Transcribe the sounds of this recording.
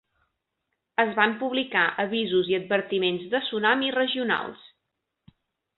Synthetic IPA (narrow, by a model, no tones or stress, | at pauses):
əzβampuβlikaʔəβizuziəd̪̚bəɾt̪imenzðəsunamirəʒiuna̰lˠs